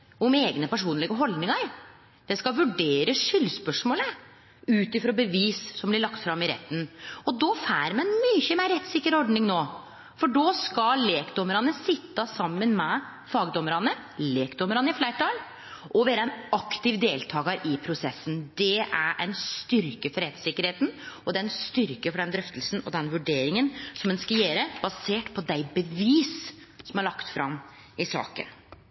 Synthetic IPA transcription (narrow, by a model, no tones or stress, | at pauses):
ɔmeːɡnəpæʂuːnlɪɡəɦɔld̪nɪŋɑɾ | d̪̥ɛskɑʋʉɖeːɾəʂʏlːspœʂmoːlə | ʉːt̪ɪfɾoːbəʋiːssɔmblɪɭɑkt̪fɾɑmːɪɾɛ̰t̪ːənɔd̪ɔːfæːɾmɛɛnmyçəmeːɾɛt̪ːsɪkːəɾɔɖɳɪŋnoː | fɔɖoːskɑleːkd̪ɔməɾɑnəsɪt̪ːəsɑmːənmɛ | fɑːɡd̪ɔməɾɑnə | leːkd̪ɔməɾɑnəɪflæɪʈɑl | ʔɔʋeːɾəɛnɑkt̪ɪʋd̪eːlt̪ʰɑːɡəɾʔɪpʰɾʊsɛsːənd̪ɛæ̰ɾʔɛ̰ɪnst̪ʏɾkəfɔɾɛt̪sɪkːəɾheːt̪nɔd̪ɛɛnst̪ʏɾkəfɔɖɛnd̪ɾœft̪əlsn̩ɔ̰d̪ɛnʋʉɖeːɾɪŋənsɔmɛnskɑjeːɾəb̥ɑseːʈpʰɔd̪æɪbəʋiːs | sɔmæɭɑkt̪fɾɑ̰m | ɪsɑ̰ːkə̰n